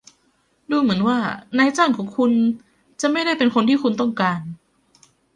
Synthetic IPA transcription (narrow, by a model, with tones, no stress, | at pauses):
duː˧mɯ˩˦ənwaː˥˩naː˧˥jt͡ɕaː˥˩˨ŋkʰɔː˩˦ŋkʰu˧n | t͡ɕa˨˩ma˥˩jɾa˥˩jpe˧nkʰo˧nt̪ʰiː˥˩kʰu˧nt̪ɔ˥˩ŋkaː˧n